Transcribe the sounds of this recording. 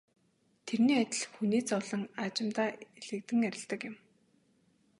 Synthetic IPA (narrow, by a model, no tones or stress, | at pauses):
t̪ʰerniːat̪ʲɪ̆ɮxuniːt͡sɔɮə̆ŋat͡ɕɪ̆mt̪aːeɮɘ̆k̚t̪ɘ̆ŋæɾʲɪ̆ɮt̪ə̆kjɪ̆m